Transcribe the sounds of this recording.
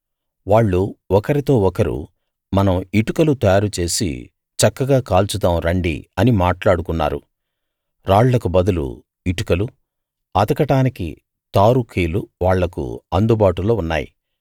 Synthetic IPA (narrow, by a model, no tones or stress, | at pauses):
ʋaːɭːuɔkɐɾit̪o̞ːɔkɐɾṵ | mɐnɐmiʈukɐlut̪ɐjaːɾut͡ʃe̞ːsḭ | t͡ʃɐkːɐɡaːkaːlt͡ʃud̪aːmɾɐɳɖḭɐnimaːʈlaːɽukunːa̰ːɾṵ | ɾaːɭlɐkubɐd̪ulṵ | iʈukɐlu | ɐd̪ɐkɐʈaːnikḭ | t̪aːɾukʰeːluʋaːɭːɐkṵɐnd̪ubaːʈulo̞ːunːa̰ːjḭ